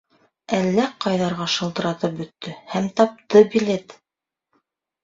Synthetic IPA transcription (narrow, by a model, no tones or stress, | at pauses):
ælːæqɑjðɑɾʁɑʃɤ̆lˠt̪ɤ̆ɾɑt̪ɤp̚bɵ̆t̪ːɵhæmt̪ɑp̚t̪ɤbilet̪